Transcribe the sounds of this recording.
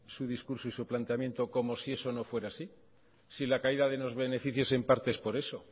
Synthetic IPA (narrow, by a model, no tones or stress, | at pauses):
suðiskuɾsoisuplant̪eamje̞nt̪o̞ko̞mo̞sie̞so̞no̞fwe̞ɾasi | silakaiðaðeno̞zβe̞ne̞fiθjo̞se̞mpaɾt̪eespo̞ɾe̞so̞